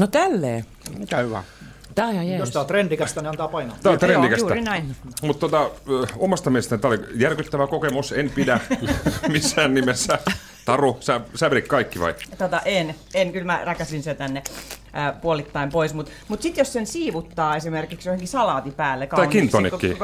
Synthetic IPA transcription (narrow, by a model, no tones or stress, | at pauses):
not̪ælːḛː | t̪ːjost̪ɑːt̪rendikæst̪æniɑnt̪ɑːpɑinɑːt̪ɑt̪rendikæsænmut̪t̪ːot̪ɑomɑst̪ɑmieest̪ænit̪æolijærkyt̪ːæʋækokemusenpidæ | misːæːnnimesːæ | t̪ɑrusæsæʋrikkɑikːiʋɑ̰it̪ot̪ɑʔen | enkylmærækæsinset̪ænːe | puolit̪ːɑimpoismut̪ | mut̪sit̪jossensiːʋut̪ːɑːesimerkiksjoheŋkisɑlɑːt̪ipæːlːekɑt̪ɑikint̪ːˑonikokːḭː